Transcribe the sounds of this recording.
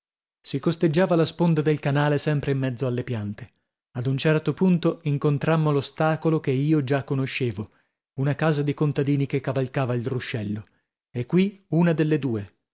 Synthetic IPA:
sikost̪ed͡ʒːaːvalaspond̪ad̪elkanaːlesɛmpɾeimːɛd̪zːoalːepjant̪e̥ | ad̪unt͡ʃɛrt̪opunt̪oiŋkont̪ɾamːolost̪aːkolok̟eiːod͡ʒakːonoʃːeːvo | unakaːzad̪ikont̪ad̪iːnikekːavalkaːvailruʃːɛlːo | ekːwiunad̪elːed̪uːe

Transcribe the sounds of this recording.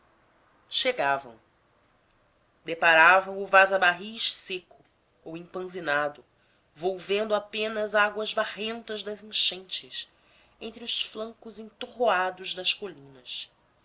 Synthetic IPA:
ʃeɡavɐ̰̃w̃ | d̪epaɾavɐ̃w̃ʊvazabaɦiʃsekʊ | owĩŋpɐ̃zinad̪ʊ | vowvẽnd̪ʊapẽnɐzaɡwɐzbaʁẽnt̪ɐzd̪ɐzĩʃẽnt͡ʃɪs | ẽnt̪ɾɪʊʃsflɐ̃ŋkʊzẽnt̪oɦoad̪ʊzd̪ɐʃkolĩnɐs

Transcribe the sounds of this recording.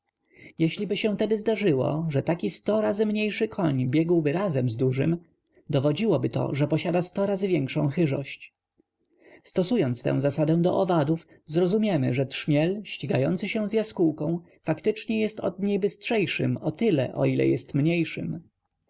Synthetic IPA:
jɛɕlʲibɘɕɛ̃w̃t̪ɛd̪ɘzd̪aʐɘwɔ̰ʐɛt̪akʲist̪ɔɾazɘmɲejʂɘkʰɔɲbʲjɛɡwbɘɾazɛmzd̪uʐɘ̰m | d̪ɔvɔd͡ʑiwɔbɘt̪ɔ̰ʐɛpɔɕad̪ast̪ɔɾazɘvʲjɛŋkʂɔ̃w̃xɘʐɔ̰ɕt͡ɕ | st̪ɔsujɔnt̪st̪ɛ̰̃w̃zasad̪ɛ̃w̃d̪ɔ̰ʔɔvad̪uf | zɾɔzumʲjɛmɘʐɛt̪ʂmʲjɛlɕt͡ɕiɡajɔnt̪sɘɕɛw̃zjaskuwkɔ̃w̃ | fakt̪ɘt͡ʂɲɛjɛst̪ɔ̰d̪̚ɲejbɘstʂɛjʂɘ̰mɔt̪ɘlɛ̰ʔɔ̰ilɛ̰jɛst̪mɲejʂɘ̰m

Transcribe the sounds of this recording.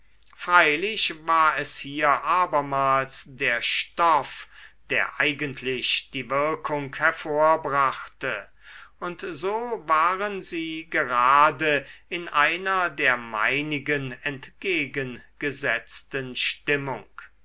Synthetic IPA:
fʁ̥aɪlɪɕvaːɐɛshiːɐʔaːbɐmaːlsdeːɐʃtɔfd̥eːɐʔaɪɡəntʰlɪʃd̥iːvɪɐkʰʊŋkhɛɐfoːɐbʁaχtə | ʊntzoːvaːʁənziːɡəʁaːdəɪnʔaɪnɐdeːɐma̰ɪnɪɡənɛntɡ̥eːɡənɡ̥əzɛt͡stənʃtɪmʊ̰ŋk

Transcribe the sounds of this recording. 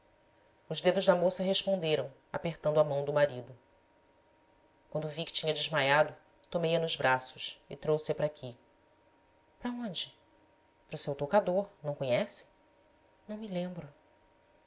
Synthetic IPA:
ʊʒd̪ed̪ʊʒd̪ɐmosɐɦeʃpõnd̪eɾɐ̃w̃ | a̰peχt̪ɐ̃nd̪ʊamɐ̃w̃d̪ʊmaɾid̪ʊ | kwɐ̃nd̪ʊuvikɪ̥t͡ʃĩɲɐd͡ʒɪʒmajad̪ʊ | t̪omejɐnʊzbɾasʊʃɪt̪ɾowsɪɐpɾakʲʰi | pɾɐõnd͡ʒɪ | pɾʊsewt̪okad̪oɾnɐ̃w̃kõɲɛsɪ̥ | nɐ̃w̃mɪlẽmbɾʊ

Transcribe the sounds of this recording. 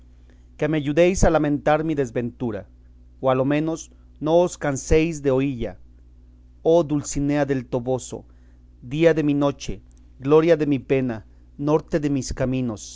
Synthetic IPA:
kameaʝuðejsalamẽnt̪aɾmiðe̞zbe̞nt̪uɾa̰ | oalo̞mẽ̞no̞s | no̞ːskansejzd̪eoiʎa | oðulsineaðe̞lt̪o̞βo̞so̞̰ | d̪iaðe̞mino̞t͡ʃḛ | ɡlo̞ɾjaðe̞mipe̞na | no̞ɾt̪e̞ðemiskamĩno̞s

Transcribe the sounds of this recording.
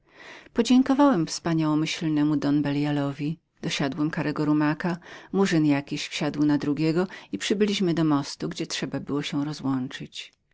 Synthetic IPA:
pɔd͡ʑɛŋkɔvawɛmfspaɲawɔmɘɕlnɛmud̪ɔnbɛljalɔvʲi | d̪̥ɔɕad̪wɛmkaɾɛɡɔɾumakamuʐɘnjakʲiɕfɕad̪wnad̪ɾuɡʲɛɡɔipʂɘbɘlʲiɕmɘd̪ɔmɔst̪uɡd͡ʑɛtʂɛbabɘwɔɕɛw̃ɾɔzwɔnt͡ʂɘt͡ɕ

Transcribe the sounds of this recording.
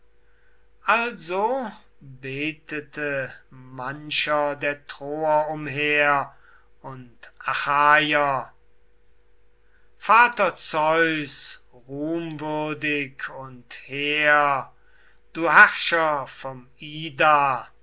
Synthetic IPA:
ʔalzo | beːtətʰəmanʃɐdeːɐtʁ̥oːɐʊmɦeːɐ | ʔʊntʔaxaːjɐ | faːtɐt͡sɔʏs | ʁuːmvʏɐdɪkʰʊntheːɐɐ | d̥uːɦæʁʃɐfɔmiːdaː

